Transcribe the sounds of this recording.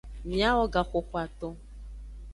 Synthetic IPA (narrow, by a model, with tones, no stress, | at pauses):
mĩ˨˦a˦wɔ˨ɡa˨xʊ˨xʷa˨t̪ɔ˦